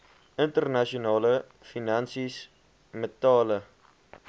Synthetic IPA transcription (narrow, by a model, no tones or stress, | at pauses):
əntərnɐʃunɑːlə | finɐnsis | mətɑːlə